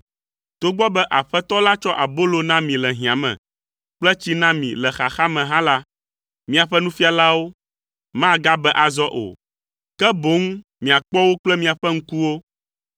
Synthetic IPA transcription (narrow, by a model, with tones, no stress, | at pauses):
t̪o˦ɡ͡bɔ˦bɛ˦ʔa˨ɸɛ˦t̪ɔ˦la˦t͡ʃɔ˦ʔa˨bo˦lo˨nã˦mĩ˨lɛ˨ɦĩ˨ã˨mɛ̰̃˨ | k͡plɛ˦t͡ɕi˦nã˦mḭ̃˨lɛ˨xa˨xa˦mɛ̃˨ɦã˦la˦ | mĩ˦a˨ɸɛ˦nũ˦fi˦a˨la˦wo˦ | mã˦˨ɡa˦bɛ˦ʔa˨zɔ˦ʔo̰˨ | kɛ˦bo˦ŋ˦ | mĩ˨a˨k͡pɔ˦wo˦k͡plɛ˦mĩ˨a˨ɸɛ˦ŋ̩˦ku˦wo˦